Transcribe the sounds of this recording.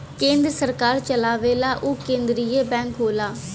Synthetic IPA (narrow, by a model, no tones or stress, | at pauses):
kẽːnd̪ɾəsəɾkaːɾt͡ʃəlaːʋeːlaːʔukẽːnd̪ɾiːeːbɛ̃ːŋkɦoːlaː